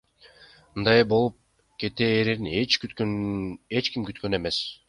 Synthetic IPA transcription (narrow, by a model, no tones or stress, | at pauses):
mɯnd̪ɑjbo̞lˠup̚ | ke̞t̪eːɾeɾinet͡ʃk̪ | et͡ʃkimkyt̪kø̞ne̞me̞s